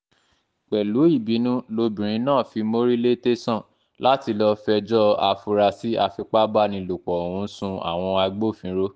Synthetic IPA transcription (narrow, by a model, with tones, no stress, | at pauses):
k͡pɛ˨lu˨˦i˦˨bi˨˦nũ˦lo˧bĩ˨ɾ̃ĩ˨˧˦nãː˦˨fi˧mo˦ɾi˦le˦te˦sɔ̃˦˨ | la˦ti˧lɔ˧fɛ˧d͡ʒɔ˦a˧fu˧ɾa˧si˦a˧fi˧k͡pa˦ba˦nĩ˧lo˨k͡pɔ˨ũ˧˦sũ˧a̰˨w̃ɔ̃˧a˧ɡ͡bo˦˨fĩ˨˦ɾo˦